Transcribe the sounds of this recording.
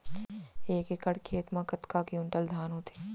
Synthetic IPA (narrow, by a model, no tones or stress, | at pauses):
eːkekəɽkʰeːt̪mãkɐt̪kakiʊɳʈəld̪ʱaːnɦoːt̪e̥